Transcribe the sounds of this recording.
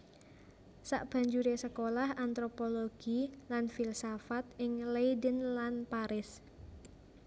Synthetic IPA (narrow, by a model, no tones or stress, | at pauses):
sa̰ʔb̥a̤ɲd͡ʒuɾesəkolahant̪ɾopoloɡ̥ilanfilsafat̪ɪŋlejdənlanpaɾɪs